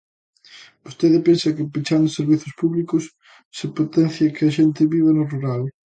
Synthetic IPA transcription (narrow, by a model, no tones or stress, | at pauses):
bost̪eðɪpensɐkɪpit͡ʃand̪ʊseɾβiθʊspuβlikʊsː | ɪpot̪ɛn̟θjɐkɪɐʃent̪ɪβiβenʊruɾal